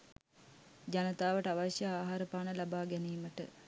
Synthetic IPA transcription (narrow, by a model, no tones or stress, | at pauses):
d͡ʑanət̪aːʋəʈəaʋaʃjəaːɦaɾəpaːnəlabaːɡɛniːməʈə̰